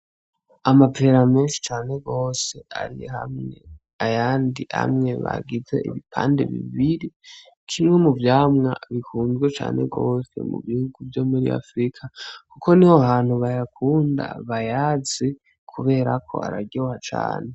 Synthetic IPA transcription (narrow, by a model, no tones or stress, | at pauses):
amapʰe̞ɾameːnʃi̥t͡ʃaːne̞ɡo̞se̞a̰ɾijeha̰mŋe | ajaːndiha̰mŋe̞βa̰ɡize̞̰ʔiβipʰa̰ːnde̞βḭβiɾi | kʰimŋe̞muvjaːmŋa̰βikuːnzɡwet͡ʃa̰ːnʔe̞̰ɡo̞ːse̞̰mṵβihuɡuvjo̞muɾḭa̰fɾikʰakukʰo̞nihoaɦaːn̥huβajakʰuːnda̰βajaːz̥e | kʰuβe̞ːɾakʰo̞̰a̰ɾaɟohat͡ʃa̰ːne̞